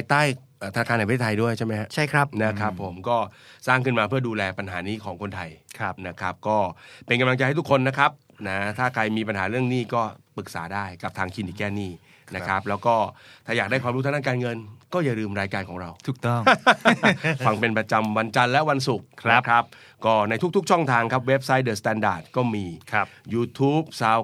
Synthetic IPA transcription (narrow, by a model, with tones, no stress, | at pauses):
a˧jt̪aː˥˩j | ʔəː˨˩t̪a˧nːa˧kaː˧nː˧pa˧˦eː˥˩t̪ʰjdu˥˩əjt͡ɕʰa˥˩jma˦˥jkʰa˦˥t͡ɕʰa˥˩jkʰɾa˦˥p̚na˦˥kʰɾa˦˥pʰːo˩˦mkɔː˥˩saː˥˩ŋkʰɯ˥˩nmaː˧pʰɯ˥˩əduː˧lɛː˧pa˧nɦaː˩˦niː˦˥˩kʰɔː˩˦ŋkʰo˧nt̪ʰa˧jʰp̚na˦˥kʰɾa˦˥p̚kɔː˥˩pe˧nka˧mla˧t͡ɕjha˥˩t̪ʰkʰo˧nːa˦˥kʰɾa˦˥p̚ | na˦t̪ʰaː˥˩kʰɾa˧jmiː˧pa˧nɦaː˩˦ɾɯ˥˩əŋniː˥˩kɔː˥˩pɯ˨˩k̚sa̰ː˩˦daː˥˩jka˨˩p̚t̪ʰaː˧ŋt͡ɕʰiː˧niː˩kɛː˥˩niː˥˩ | na˦kʰa˦˥p̚lɛː˦˥wkɔː˥˩t̪ʰaː˥˩jaː˨˩k̚daː˥˩jkwaː˧mɾu˦˥t̪ʰna˥˩kaː˧nŋɤ˧nkɔː˥˩jaː˨˩ɾɯː˧mɾaː˧jkaː˧nkɔː˩˦ŋɾa˧wt̪ʰu˨˩t̪ɔ˥˩ | fa˧ŋpe˧npɾa˧t͡ɕa˧mwa˧nt͡ɕa˧nlɛ˦˥wa˧nsu˨˩k̚ʰa˦kʰa˦˥p̚ | kɔː˥˩na˧jt̪ʰu˦˥k̚t̪ʰu˦˥k̚t͡ɕʰɔ˥˩ŋt̪ʰaː˧ŋkʰa˦˥p̬̚we˦˥p̚sa˦˥jdɤː˨˩st̪ɛː˧ndaː˨˩t̪̚kɔː˥˩miː˧˦juː˧t̪ʰuː˦˥p̚sa˦˥w